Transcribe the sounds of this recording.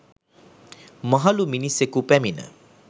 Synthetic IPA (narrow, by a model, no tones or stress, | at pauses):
maɦɐluminisekupæminə̰